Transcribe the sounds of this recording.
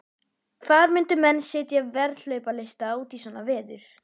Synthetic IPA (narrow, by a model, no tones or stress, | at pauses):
kʰθaðmɪnt̪ʏmɛnːsɛːt̪javɛɾt̪lœɥpalejst̪auːt̪isɔːnavɛːðʏɾ̥